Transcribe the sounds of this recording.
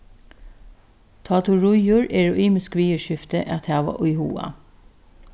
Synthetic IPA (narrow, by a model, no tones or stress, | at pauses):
t̪ʰɑːt̪ʊɹʊjʊɹʔeːɹʊʔiːmɪskʋiːəʃɪft̪əʔɛt̪ʰhæːʋɑ̰ʔʊʏhuːɑ̰